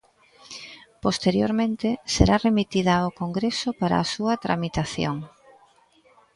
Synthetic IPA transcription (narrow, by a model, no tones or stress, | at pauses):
post̪eɾjoɾmẽnt̪ɪsḛɾaremit̪iðɐokoŋɡɾesopaɾa̰ːsuɐt̪ɾa̰mit̪aθjo̰ŋ